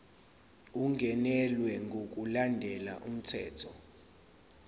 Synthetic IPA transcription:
uŋʱɛnɛlwɛŋɡʱok̬ʼulandʱɛla̰ʔum̩tʰɛ̰ːtʰɔ

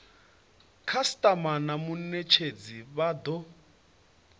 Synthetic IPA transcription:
kʰastʼamanamunet͡ʃʰed͡ziβad̪ɔ

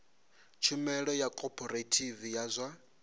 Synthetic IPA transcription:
t͡ʃʰumɛɺɔjakʼɔpʰʼɔɾetʰivijazʷwa

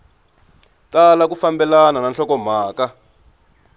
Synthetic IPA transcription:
talak̬ufambɛlanananɬɔkɔm̤aːka

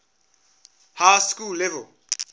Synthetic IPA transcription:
haskulɛvɛl

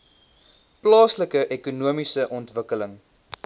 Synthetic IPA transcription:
plɑːsləkəʔekunuəmisəʔɔntvəkələŋ

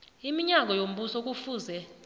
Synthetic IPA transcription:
imiɲak̬ʼɔjom̩ɓusɔk̬ʼufuzɛ

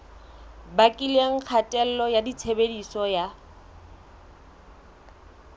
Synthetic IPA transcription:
bakʼilieŋ̩k͡xʰatʼɛl̩lɔjadit͡sʰebedisɔja

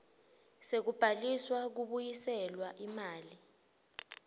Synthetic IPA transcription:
sek̬ub̥ʱaliswak̬uɓujisɛlwaʔimaːli

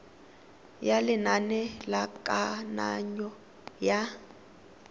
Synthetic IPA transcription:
jalɪnanɛlakʼana̰ɲɔ | ja

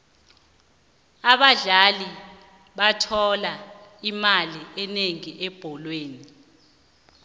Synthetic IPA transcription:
aɓaɮali | ɓatʰɔlaimaliʔɛneŋiʔɛb̥ʱɔlweːni

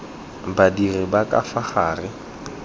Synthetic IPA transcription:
badirɪbakʼafaχaːrɪ

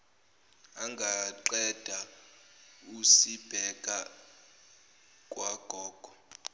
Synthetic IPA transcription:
aŋɡʱaǃɛd̥ʱa | usib̥ʱɛkʼa | kʼwaɡ̥ʱɔːɡ̥ʱɔ

